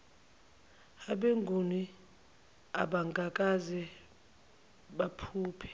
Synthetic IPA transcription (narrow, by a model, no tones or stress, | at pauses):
aɓeŋɡʱuni | a̰ɓaŋkʼakʼazɛ | ɓapʰuːpʰɛ̥